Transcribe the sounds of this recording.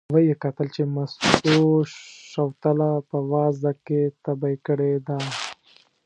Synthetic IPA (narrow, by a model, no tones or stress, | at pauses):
wəjekat̪əlt͡ʃemaso | ʂawt̪əlapəwɑzd̪aket̪abaikəɽed̪a